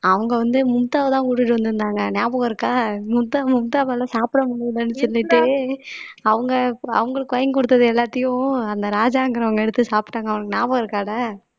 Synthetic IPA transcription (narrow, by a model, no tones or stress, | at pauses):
ɐʋɐŋɡɐʋɐnd̪ɯmʊmt̪aːʋɐt̪ãːkuʈːɪʈːɯʋɐnd̪ɯɾɯnd̪aːŋɡɐnjaːbɐɣɐɪɾɯkːaːmʊmt̪aːmʊmt̪aːʋɐlːãːsaːpɪɽɐmʊɽɪlɐnːɯsɔlːɪʈːɯ | ɐʋɐŋɡɐɐ̰ʋɐŋɡɐɭɯkːɯʋɐjɐŋɡkɔɽɯt̪ːɐðɯɛlːaːt̪ːɐjʊ̃ɐnd̪ɐɾaːd͡ʒaːŋɡɪɾɐʋɐŋɡɐɛɽɯt̪ːɯsaːpɪ̥ʈːaːŋɡɐʋɐɳɯkːɯnjaːbɐɣɐɪɾɯkːaːɽɐ